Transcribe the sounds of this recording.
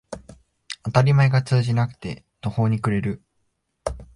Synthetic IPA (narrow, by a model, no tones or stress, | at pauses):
at̪aɾʲimae̞ɡat͡sɨːʑinakɯ̟̥t̪e̞̰ | t̪o̞ho̞ːɲ̟ikɯ̟ɾe̞ɾɯ̟